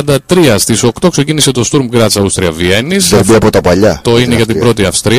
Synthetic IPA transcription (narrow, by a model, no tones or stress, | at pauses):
ɐnd̪ɐt̪ɾiɐst̪iso̞kt̪o̞kse̞cinise̞t̪o̞st̪uɾmɡɾɐt͡sɐust̪ɾiɐvie̞nisðbiɐpot̪ɐpɐʎɐt̪o̞ineʝɐt̪ibbɾo̞t̪iɐfst̪ɾi